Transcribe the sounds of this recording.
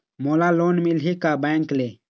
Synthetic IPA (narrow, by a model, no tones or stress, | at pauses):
molalonmilɦikabaŋkle